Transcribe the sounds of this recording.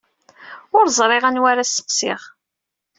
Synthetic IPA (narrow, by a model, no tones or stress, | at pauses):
ʊɾzˤɾˤɪʁænwaɾasːə̥qsɪʁ